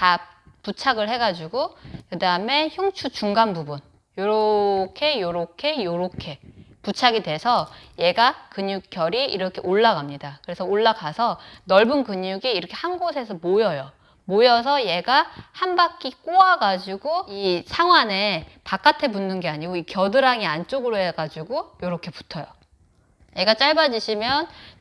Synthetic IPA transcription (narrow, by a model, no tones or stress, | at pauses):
taput͡ɕʰaɡɯɭhe̞ɡad͡ʑuɡokɯdaɯme̞çjuŋt͡ɕʰut͡ɕuŋɡanbubun | joɾokʰe̞joɾokʰe̞joɾokʰe̞put͡ɕʰaɡidwe̞sʰʌje̞ɡakɯɲuk̚k͈jʌɾiiɾʌkʰe̞ʔoɭːaɡamɲidakɯɾe̞sʰʌoɭːaɡasʰʌnʌɭbunkɯɲuɡiːɾʌkʰe̞hanɡosʰe̞sʰʌmojʌjʌ | mojʌs̬ʰʌje̞ɡahanbak͈ik͈oaɡad͡ʑiɡoisʰaŋɦwane̞pak͈atʰe̞bunːɯnɡe̞aɲiɡoikjʌdɯɾaŋiant͡ɕ͈oɡɯɾoɦeɡad͡ʑuɡojoɾokʰe̞pu̥tʰʌjo | je̞ɡat͡ɕ͈aɭbad͡ʑiɕʰimjʌn